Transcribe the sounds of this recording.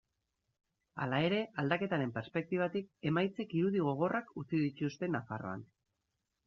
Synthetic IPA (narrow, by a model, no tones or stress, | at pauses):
a̰lae̞ɾe̞ʔald̪ake̞t̪aɾe̞mpeɾspe̞k̚t̪iβ̞at̪ik̚e̞majt͡se̞kiɾuðiɣ̞o̞ɣ̞o̞rʔakut͡siðic̪ust̪e̞nafaro̞̰a̰n